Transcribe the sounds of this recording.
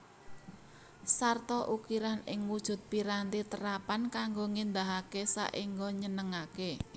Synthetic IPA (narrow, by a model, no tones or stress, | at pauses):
sart̪ɔʔukiɾanɪ̰ŋwud̥ʒ̥ʊ̤t̪̚piɾant̪it̪əɾapankaŋɡoŋind̪aɦakesa̰ʔiŋɡɔɲənəŋake